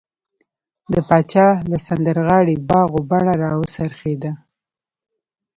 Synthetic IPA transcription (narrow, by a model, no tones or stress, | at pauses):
d̪əpɑt͡ʃɑlasand̪əɾɣɑɽibɑɣobaɳaɾɑwəsaɾxed̪a